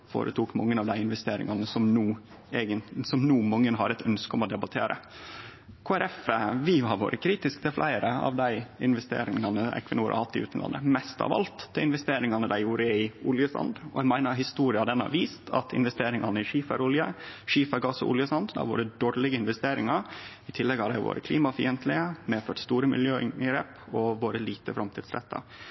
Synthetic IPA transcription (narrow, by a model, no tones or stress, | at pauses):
fo̰ːɾʔət̪ʰuːkmɑ̰ŋːənɑʋd̪æɪɪnʋɛst̪eːɾɪ̰ŋɑnəsɔmnuː | eːɡənsɔmnuːmɔŋːənɦɑɾɛt̪œnskəɔmɔd̪ɛbɑt̪ʰḛːɾə̰ | kʰoːæɾɛfʋɪhɑɾʋo̰ːɾʔəkʰɾiːt̪ɪskt̪ʰɪlflʔæ̰ɪɾəɑ̰ʋd̪æɪɪnʋɛst̪ḛːɾɪŋɑnəɛ̰kʰːʋənuːɾɑ̰ɾhɑt̪ːɪʉ̰ːt̪n̩lɑ̰nːə̰mɛst̪ɑ̰ʋɑ̰lt̪ːɪɪnʋɛst̪eːɾɪŋɑnəd̪æɪjuːɾəɪʊljəslɑ̰nd̪ɔæɡmæɪnɑɦɪst̪uːɾɪɑd̪ɛnɑ̰ʋiːst̪ʰɑ̰t̪ʰɪ̰nʋɛst̪eːɾɪŋɑnəɪʂiːfæɾʊljə̰ʂiːfəɡɑːsɔ̰ʔʊ̰ljəsɑnd̪d̪æ̰ɪʋo̰ːɾəd̪oːɾlɪɡəɪnʋɛst̪eːɾɪŋɑɾɪt̪ʰɪlːɛɡɑɾd̪æɪʋo̰ːɾə̰kʰliːmɑfḭːənt̪ʰlɪŋəmeːføʈst̪uːɾəmɪ̰ljø̰ːŋɡɾeːpɔʋoːɾəliːt̪əfɾɑmt̪ʰiːd̪sɾɛ̰t̪ːə̰